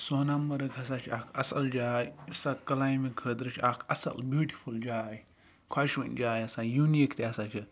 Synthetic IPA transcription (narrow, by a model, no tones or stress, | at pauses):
soːnamːɐɾɐkɐs̬aːt͡ʃʰiakʰɐsɐld͡ʒaːjisakɐlaːjmikʰəːt̪ɾɨt͡ʃʰakʰɐsɐ̰lbjuːʈifʰuld͡ʒaːj | kʰwaʃʋɐ̰nd͡ʒaːjɐsãːjuːnikt̪eɐsaːt͡ʃʰi